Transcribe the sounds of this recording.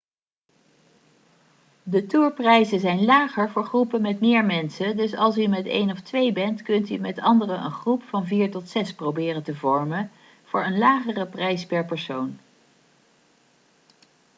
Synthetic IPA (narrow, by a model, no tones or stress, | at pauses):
dətuːɹprɛjzəzɛjnlaːχəɹvʊːɹχrupəmɛtmɪːɹmɛnsədɵsɑlˠs̬ymɛtḛjnɔftʋejbɛntkɵntymɛtɑndərəʔə̰nχrupfɑnviːɹtɔtsɛsprowbɪːrəntəvɔɹmə | v̥ʊːɹənlaːχərəprɛjspɛɹpɛɹsown